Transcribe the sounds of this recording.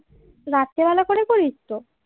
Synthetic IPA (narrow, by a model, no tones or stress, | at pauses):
ɾat̪ːebɛlakoɾekoɾit̪ːo